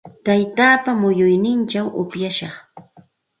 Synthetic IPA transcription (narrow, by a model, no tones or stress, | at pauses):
t̪ajt̪aːpamʊjʊjnɪnt͡ʃawʔʊpjaʃɑχ